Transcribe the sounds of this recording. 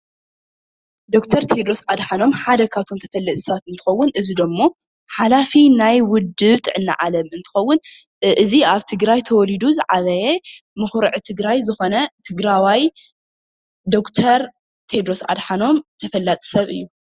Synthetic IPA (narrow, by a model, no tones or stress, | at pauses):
d̪o̞kt̪ʰɐɾt̪ʰed̪ɾo̞sʔad̪ħano̞mħad̪ɐkʰat̪ʰo̞mt̪ʰɐfɐlːɐt̪ʼɨ̥sat̪ɨnt̪ʰɨ̥xɐwːʊnʔɨzid̪ɐmːo̞ | ħalafinajwʊd̪ːɨβt̪ʼɨʕɨnːa̰ʕalɐmɨnt̪ʰɨ̥xɐwːʊn | ʔɨziaβt̪ʰɨɡɾajt̪ʰɐwɔlid̪uzɨʕaβɐjemɨxɾɨʕt̪ʰɨɡɾajzɨxo̞nɐt̪ʰɨɡɾawaj | d̪o̞kt̪ʰɐɾ | t̪ʰed̪ɾo̞sʔa̰d̪ħano̞mt̪ʰɐfɐlːat̪ʼɨ̥sɐβɨ̰jːu